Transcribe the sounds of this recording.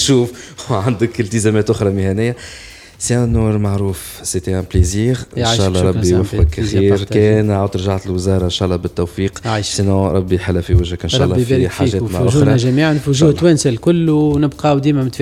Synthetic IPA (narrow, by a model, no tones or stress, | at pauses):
ʃuːfʕand̪əkɪlt̪əzɛmɛːt̪ʔʊxɾˤɑmɪhænɪjːa | sinuːɾˤmaʕɾuːf | set̪æ̃pleziːʁʔɪnːʃaːʔlˤːɑɾˤɑbːijwæfqəkːæxiːɾkɛːnaʕad̪ɾˤʒaʕat̪ɪlwɪzɑːɾˤɑʔɪnʃaːʔlˤːɑːbɪt̪ːowfiːqʕiʃsenõːɾˤɑbːiħəlːæfiwɪʒhəkʔɪnʃaʔlːɑɾħaʒɛːt̪maʕʊʒuɾˤnaʒæmiːʕanfʒuːht̪wænsalkʊlːunɪbqɑwd̪iːmæmɪt̪f